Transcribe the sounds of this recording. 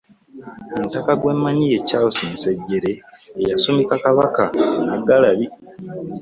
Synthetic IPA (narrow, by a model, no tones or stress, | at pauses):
omutakaɡwe̞mːaɲije̞cawosinseɟːe̞ɾe̞ːjasomikakaβakanaɡːalaβi